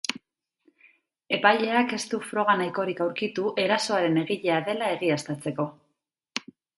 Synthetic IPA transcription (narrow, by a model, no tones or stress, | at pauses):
e̞paʎe̞ake̞st̪ufɾo̞ɣ̞anajko̞ɾikawɾkit̪uʔe̞ɾaso̞aɾe̞ne̞ɣiʎe̞aðe̞lae̞ɣ̞iast̪at͡se̞ko̞